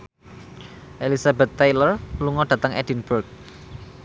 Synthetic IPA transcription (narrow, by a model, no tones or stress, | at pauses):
ʔelisabɛt̪ːajlərluŋɔɖ̥a̤t̪əŋʔɛ̰dinburk̚